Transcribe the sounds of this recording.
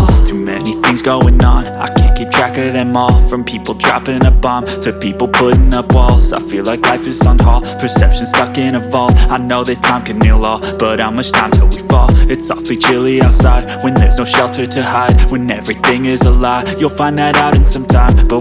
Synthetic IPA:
tʰʉmɛniθɪ̃ŋzɡoʊɪ̃ŋə̃na̰ɪkʰæ̃nɡ̥ɛt̚tʰɹ̥ækəðɨ̃mɔfɹʌ̃mpʰipl̩ˠdʰɹ̥æpɪ̃nəbɑ̃mtʰɨpipl̩ˠpʰʊɾn̩əb̥ɔlˠsa̰ɪfilaɪklaɪfɨzʌ̃n̩ɦɑpʰə˞sɛpʃɨ̃nstʌkɪ̃nəvɔlˠaɪnoʊðɨtʰãɪ̃mkʰɨ̃nmiəlɔ | b̥ʌɾãɪ̃mʌstʰãɪ̃mtʰɪlˠwifɔɨtsɑ̰flit͡ʃʰɪlˠiaʊtsaɪd̚wɨ̃nðə˞znoʊʃɛlˠtʰə˞ɾɨhaɪd̚wɨ̃nɛvɹiθɪ̃ŋɪzəlaʊjəlˠfãɪ̃nðɨɾaʊɾɨ̃n̩sʌ̃mtʰãɪ̃mb̥ʌ

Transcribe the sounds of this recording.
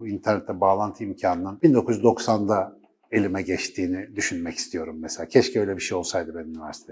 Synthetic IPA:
buint̪ʰæɾnɛt̪ʰːɛbaːlˠant̪ʰɯimcʰaːnɯnɯnbind̪o̞kʰuzyzd̪o̞ksand̪a | e̞lʲimɛɟɛt͡ʃt̪ʰiːnid̪yʃynmɛci̥st̪ʰijo̞ɾumːɛselʲaːcʰɛʃciø̞jlʲɛbiʃejo̞lˠsajd̪ɯbeniynivæɾsi̥t̪ʰe

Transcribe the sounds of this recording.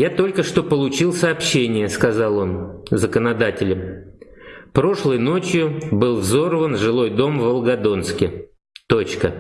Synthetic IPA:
jat̪o̞lʲkəʂt̪o̞pəlˠʊt͡ɕilˠsəɐpɕːenʲɪjəskɐzɑlˠo̞nzəkənɐd̪atʲɪlʲɪm | pɾo̞ʂlˠəjno̞t͡ɕjʊbɨlˠvzo̞rvənʐɨlˠo̞jd̪o̞mvəlˠɡɐd̪o̞nskʲɪ | t̪o̞t͡ɕkə

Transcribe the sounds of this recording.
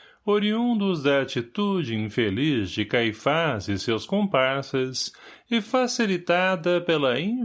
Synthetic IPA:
oɾiũnd̪ʊzd̪ɐat͡ʃit̪ud͡ʒɪĩfelizd͡ʒɪkajfazɪsewskõpaɾsɐsɪfasilit̪ad̪ɐpelɐĩ

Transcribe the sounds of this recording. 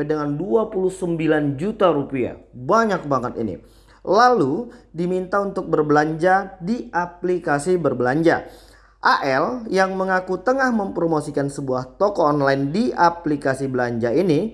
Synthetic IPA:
edəŋanduapuluhsəmbiland͡ʒut̪aɾupia̰baɲak̚baŋət̪ḭnḭ | laludimint̪aunt̪ʊk̚bərbəlaɲd͡ʒadiʔaplikasibərbəlaɲd͡ʒa̰ | ʔaʔɛljaŋməŋakut̪əŋahməmpɾomosikansəbuaht̪okɔːnlaɪndiaplikasibəlaɲd͡ʒaini

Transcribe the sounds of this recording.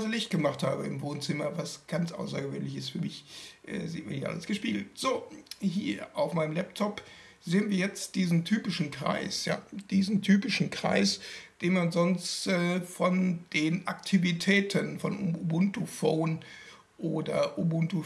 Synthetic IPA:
zlɪçt̚ɡ̥əmaχthaːbəɪmvoːnt͡sɪmɐvasɡ̥ant͡sʔa̰ʊsɐɡəvøːnlɪçɪstfyːɐmɪçʔɛ̰ːzḭːt̚ma̰niʔa̰ləsɡ̥əʃpiːɡl̩tz̥oːhiːɐʔaʊfmaɪnəmlɛp̚tʰɔp | zeːənviːɐjɛt͡st̚d̥iːzn̩tʰyːpɪʃn̩kʁ̥a̰ɪsja̰ːd̥iːzn̩tʰyːpɪʃn̩kʁ̥a̰ɪsd̥eːnmanzɔnstɛːfɔnd̥eːnʔaktʰivitʰɛːtʰənfɔnoobʊntufoːn | ʔoːdɐʔobʊntu

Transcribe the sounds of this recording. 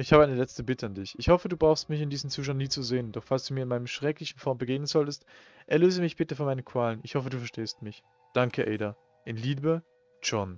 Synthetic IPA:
ʔɪçhaːbəʔaɪnəlɛt͡stəbɪtʰəandɪçʔɪçhɔfəduːbʁaʊxstmɪçɪndiːzmt͡suːʃ̬aʊniːt͡suzeːəndɔχfalsd̥uːmiːɐɪnmaɪnəmʃʁ̥ɛklɪçn̩fɔɐmbəɡeːɡnənzɔltəst | ʔɛɐløːzəmɪçb̥ɪtəfoːɐmaɪnənkʰv̥aːlənɪçhɔfəduːfɛɐʃteːstmɪç | d̥aŋkʰəʔɛɪda | ʔɪnliːbə | t͡ʃɔn

